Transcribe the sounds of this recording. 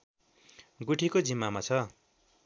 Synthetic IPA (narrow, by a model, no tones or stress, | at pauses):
ɡuʈʰikod͡zimːamat͡sʰʌ